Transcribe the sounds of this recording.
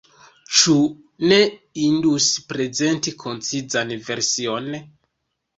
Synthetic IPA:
t͡ʃu | ne̞induspɾe̞ze̞ntikʰo̞nt͡sid͡zanve̞ɾsio̞n

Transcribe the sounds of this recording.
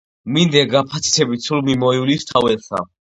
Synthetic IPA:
mind̪ɛɡapʰat̪sʰi̥t̪ʰɛbit̪sulmimɔilist̪ʰawɛlsa̰

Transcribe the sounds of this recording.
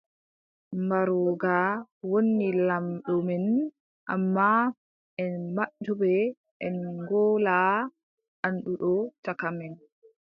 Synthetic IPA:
mbaɾɔɡawonːilamɗɔmɛn | ʔa̰mːa | ɛnmaɗɔbɛ | ʔɛnɡɔːla | ʔanɗuɗɔtakamɛn

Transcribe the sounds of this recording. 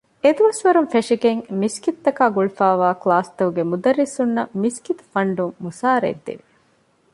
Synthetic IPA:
ed̪uʋɐsʋɐɾunfeʂiɡeŋmiskit̪ːɐkaːɡuɭufæːʋaːklaːst̪ɐuɡemud̪ɐɾːisunːɐmiskit̪u̥fɐɳɖuŋːusaːɾḛd̪ːḭʋi

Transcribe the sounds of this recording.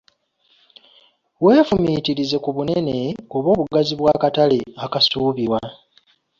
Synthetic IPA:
we̞ːfumitiɾize̞kuβune̞ne̞oβo̞ːβuɡaziβwaːkatale̞akasuːβiwa

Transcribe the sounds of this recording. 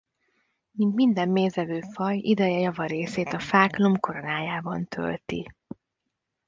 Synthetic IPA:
mint̪mind̪ɛmːeːzɛvøːfɒjid̪ɛjɛjɒvɒɾeːseːt̪ɒfaːklomko̞ɾo̞naːjaːbɒnt̪ʰø̰lt̪i

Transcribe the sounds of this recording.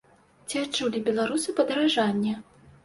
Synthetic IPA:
t͡sʲiat͡ʂulʲibʲɛlˠaɾusɨpɐd̪ɐɾaʐanʲːɛ

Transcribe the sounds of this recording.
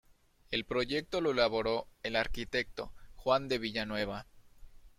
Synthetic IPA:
e̞lpɾo̞ʝe̞k̚t̪o̞lo̞elaβo̞ɾo̞elaɾkit̪e̞k̚t̪o̞̰xwand̪e̞βiʝanwe̞β̞a

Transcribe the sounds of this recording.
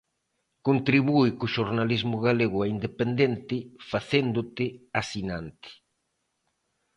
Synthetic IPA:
kont̪ɾiβuɪkʊʃoɾnalizmʊɣaleɣʊaind̪epend̪ent̪ɪfaθend̪ʊt̪ɪasinant̪ɪ̥

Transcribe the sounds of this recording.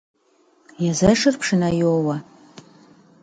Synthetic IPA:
jazɐʂɨrpʰʂɨnajowa

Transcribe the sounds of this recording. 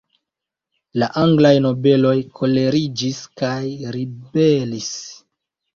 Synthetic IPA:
laʔaŋɡlajno̞be̞lo̞jkʰo̞le̞ɾid͡ʒiskajɾibe̞lis

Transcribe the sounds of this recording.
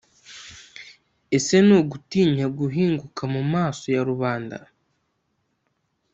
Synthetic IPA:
e̞se̞noɡutiːɲaɡuɦiːŋɡukʰamumaːso̞jaɾuβaːnda̰

